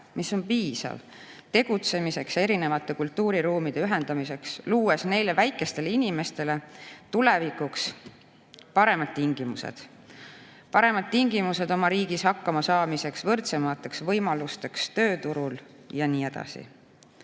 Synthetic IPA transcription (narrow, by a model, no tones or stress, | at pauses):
miso̞npiːsɑ̰v | t̪e̞ɡ̥ut̪se̞mise̞kse̞ɾine̞vɑt̪ːˑe̞kult̪ːˑuːɾiɾuːmid̪̥e̞yɦe̞nd̪̥ɑmise̞ksluːesne̞jle̞væjkːˑe̞st̪e̞leinime̞st̪e̞le̞t̪ule̞vikuks | pɑɾe̞mɑd̪̥̚t̪iŋɡ̥imusḛd̪̥ | pɑɾe̞mɑd̪̥̚t̪iŋɡ̥imuse̞d̪o̞mɑɾiːɡ̥ishɑkːɑmɑsɑːmise̞ksvɤrt̪se̞mɑt̪ːˑeksvɤjmɑlust̪e̞kst̪ø̞ːt̪uɾul | jɑniːe̞d̪̥ɑ̰sḭ